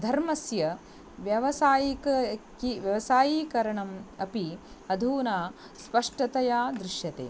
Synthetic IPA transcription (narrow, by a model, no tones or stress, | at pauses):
d̪ʱɐɾmɐsjɐ | ʋjɐʋɐsaːjikɐkiʋjɐʋɐsaːjiːkɐɾɐɳɐmɐpi | ɐd̪ʱuːnaː | spɐʂʈɐt̪ɐjaːd̪ɾɪʃjɐt̪ḛː